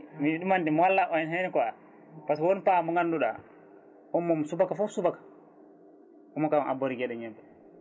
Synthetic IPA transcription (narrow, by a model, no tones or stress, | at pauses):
miɗumandimwalːaʔɔjɛnɦɛnɛkɔa | paswonpamɔŋɡanːduɗa̰ | wɔmːɔmsubakafusubakḁ | ɔmɔkamʔa̰boɾiɡɛɗɛɲɛmbɛ